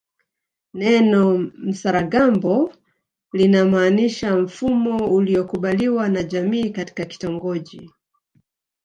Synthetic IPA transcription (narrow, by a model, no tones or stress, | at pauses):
nɛnɔm̩saɾaɡambɔ | linamaːniʃam̩fumɔuliɔkuɓaliwanaʄamiːkati̥kaki̥tɔŋɡɔʄi